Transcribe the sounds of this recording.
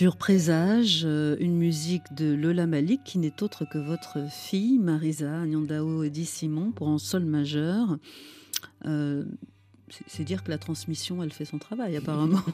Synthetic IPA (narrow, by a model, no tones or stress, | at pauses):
syʁpχezaʒøynmyzikd̪əlɔlamalikʰːinɛt̪ot̪χəkəvɔt̪χəfijmaʁizaːnjɔ̃d̪aoed̪isimɔ̃puʁɛ̃sɔlmaʒœʁ | ø | sɛ̥sɛd̪iʁkəlat̪χɑ̃smisjɔ̃ɛlfɛsɔ̃t̪χavajapaʁamɑ̃